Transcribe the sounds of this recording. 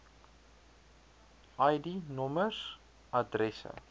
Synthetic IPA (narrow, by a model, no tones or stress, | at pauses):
ʔɐjdinɔməs | adrɛsə̰